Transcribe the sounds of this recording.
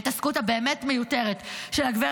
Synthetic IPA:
tɐskutabe̞ːmetme̞jute̞ʁetʃelaɡveʁ

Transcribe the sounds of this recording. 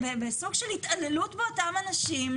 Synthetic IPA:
bebesuɡʃelhit̪ʔale̞lutbeotamanaʃim

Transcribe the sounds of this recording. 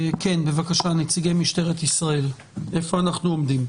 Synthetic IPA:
kenbevakaʃanet͡siɡemiʃt̪e̞ʁet̪isʁae̞l | ʔe̞fo̞anaχnuomdim

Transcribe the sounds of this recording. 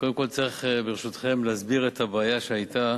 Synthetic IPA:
kod̪emko̞lt͡saʁiχbeʁeʃut̪χe̞mleazbiʁet̪habaːjaʃeajt̪a

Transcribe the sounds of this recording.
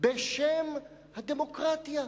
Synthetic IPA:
beʃem | had̪emo̞kʁat̪ja

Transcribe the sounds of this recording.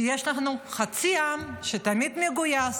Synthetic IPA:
jeʃlaχnuχat͡siamʃet̪amid̪meɡujas

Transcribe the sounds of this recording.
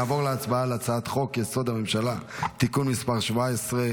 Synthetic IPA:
aːvoʁleat͡sbaaleat͡saat̪χo̞kjeso̞d̪amemʃalat̪ikunmispaʁʃvaesʁe

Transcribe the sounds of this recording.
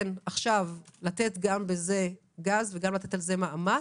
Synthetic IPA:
naχʃavlat̪e̞t̪ɡambeze̞ | ɡazveɡamlat̪etalze̞maʔama

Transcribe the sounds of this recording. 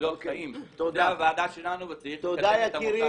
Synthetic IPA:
okimt̪od̪avaːd̪aʃelanuvat̪it̪od̪ajaiɾi

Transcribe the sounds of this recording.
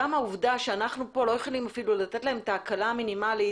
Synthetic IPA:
amauvdaʃeanaχnupo̞lo̞jo̞χolimafilulat̪etlaemt̪aːkalaminimali

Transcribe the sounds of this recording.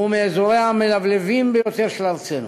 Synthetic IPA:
umeːzoɾeamelavlevimbejot̪eʁʃelaʁt͡senu

